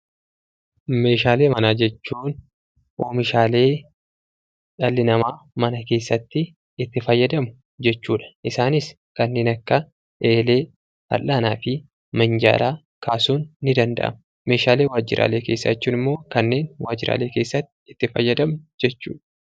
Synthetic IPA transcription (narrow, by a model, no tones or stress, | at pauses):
me̞ːʃaːle̞ːmɐnaːd͡ʒɛt͡ʃːuːn | ʔoːmɪʃaːle̞ː | ᶑɐlːɪnɐmaːmɐnɐke̞ːsːɐt̪ːɪː | t̪ːɪfɐjːɐd̪ɐmʊ̥ | d͡ʒɛt͡ʃːuːᶑɐ̥ʔɪsaːnɪs | kɐnːe̞ːnɐkːɐ | ʔeːle̞ː | hɐ̰lːaːnaːfɪ | mɐnd͡ʒa̰ːlʔaː | kʰaːsuːnːɪd̪ɐnd̪ɐ̰ʔɐ̰mʊ | me̞ːʃaːle̞ːwaːd͡ʒɪ̰ɾʔa̰ːle̞ːke̞ːsːɐt͡ʃːuːnɪmːo̞ːkɐnːe̞ːnwa̰ːd͡ʒɪɾa̰ːle̞ːke̞ːsːɐt̪ːɪɪt̪ːɪfɐ̰jːɐd̪ɐmʊd͡ʒɛt͡ʃːṵːᶑɐ